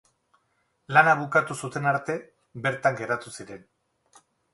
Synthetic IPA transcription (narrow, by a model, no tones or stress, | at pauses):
lanaβukat̪usut̪e̞naɾt̪e̞ | be̞ɾt̪aŋɡe̞ɾat̪usiɾe̞n